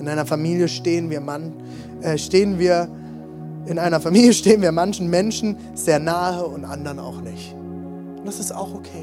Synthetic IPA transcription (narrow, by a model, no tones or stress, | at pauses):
ʔɪnʔaɪnɐfamiːljəʃteːənviːɐman | ʔɛːʃteːənviːɐ | ʔɪnʔaɪnɐfamiːljəʃteːənviːɐmançn̩mɛnʃn̩ | z̥eːɐnaːhəʊntʔandɐʁəna̰ʊxnɪçt | nd̥asɪsta̰ʊxʔokʰeː